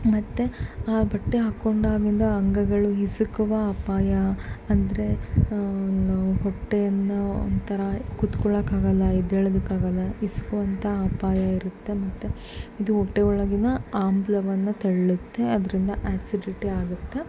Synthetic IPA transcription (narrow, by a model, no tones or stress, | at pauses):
mɐt̪ːe̞aːbɐʈːeɦaːkːoɳɖaːɡind̪ɐːŋɡɐɡɐɭuɦisukuʋɐaːpaːjɐɐnd̪ɐɾe̞ | ɦɔʈːejɐnːɐo̰nd̪t̪ʰɐɾɐkut̪kɔɭɐkaːɡɐlːɐid̪eɭɐd̪ukaːɡɐlːɐisu̥kuʋɐnt̪ʰɐaːpaːjɐiɾut̪ːe̞mɐt̪ːe | id̪uɦɔʈːeɔɭɐɡinɐaːmblɐʋɐnːɐt̪ɐɭɐɭut̪ːe̞ɐd̪ɐɾind̪ɐʔaːsiɖiʈiaːɡut̪ːe̞